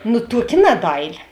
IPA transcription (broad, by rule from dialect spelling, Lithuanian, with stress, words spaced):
nʊ ˈtuɔˌkʲɪ ˈnɑːdɐɪˌlʲɪ